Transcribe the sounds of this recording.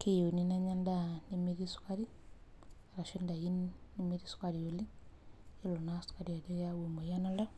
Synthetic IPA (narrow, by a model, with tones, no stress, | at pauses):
ke˦jo˨ni˦na˦ɲa˦ndani˨miɾi˦su̥˦ka˦ɾi˦ | a˨ɾa˨ʃinda˨ji˦nini˦mi˦ɾi˦su̥ka˨ɾi˨o˨li˦ | i˦lo˨nasu̥ka˨ɾi˨a˨li˦jawe˨mo˨ja˦na˦la˦